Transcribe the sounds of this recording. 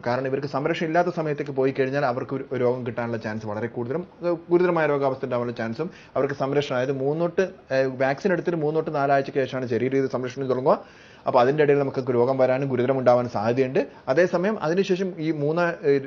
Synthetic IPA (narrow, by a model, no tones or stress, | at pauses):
kaːɾɐɳɐmiʋɐɾkːɨsɐmɾɐkʂɐmilːaːt̪̬ːɐsɐmɐjɐt̪ːe̞kːɨpo̞ːjikɐɻiɲːaːlɐʋɐrkɨoɾo̞ːɡɐmkiʈːaːnuɭːɐt͡ɕaːnsɨʋɐɭɐre̞kuːɽuðɐɾɐmɡuɾuðɐɾɐmaːjɐɾo̞ːɡaːʋɐst̪ɐuɳɖaːʋɐnuɭːɐt͡ɕaːnsum | ɐʋɐrkɨsɐmɾɐkʂɐnaːjɐðɨmuːnːoːʈːɨʋjaːksine̞ɽut̪ːiðɨmuːnːoːʈːɨnaːlaːjɐt͡ɕːɨke̞ːʂɐmaːɳɨɕɐɾiɾɐiðɨsɐmɾɐkʂɐɳmt̪oɭɐŋːua | ɐpːoːɐðinde̞iɽɐjilnɐmukːɨkːɨɾo̞ːɡɐmʋɐɾaːnɨɡuɾuðɐɾɐmuɳɖaːʋaːnsaːɦɐðjɐjuɳɖɨ | ɐðe̞ːsɐmɐjɐmʔɐ̰ðinɨɕe̞ːʂɐmiːmuːnːa